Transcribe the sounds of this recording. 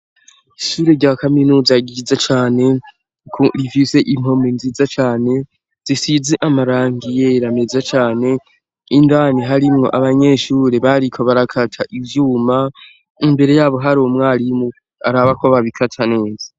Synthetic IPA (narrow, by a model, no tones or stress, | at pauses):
iʃuːɾeɾɟakaminuːzaɡizat͡ʃaːne̞ | kʰoɾivise̞ʔim̥ho̞menziːzat͡ʃaːne̞ | z̥isizeʔamaɾaːŋɡije̞ɾame̞zat͡ʃaːne̞ | indaniɦaɾimŋo̞̰ʔaβaɲe̞ʃuːɾeβaɾikʰoβaɾakʰatʰaʔivjuːma | imbe̞ɾe̞jaːβo̞ɦaɾomŋaːɾimu | aɾaβakoβaβikʰatʰane̞ːza